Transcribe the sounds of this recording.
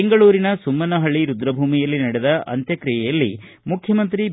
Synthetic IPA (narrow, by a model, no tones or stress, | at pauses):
eŋɡɐɭuːɾinɐsumːɐnɐɦɐɭːiɾud̪ɾɐbʱuːmijɐlːinɐɽɛd̪ɐʔɐ̰nt̪jɐkɾijɛjɐlːi | mukʰjɐmɐnt̪ɾi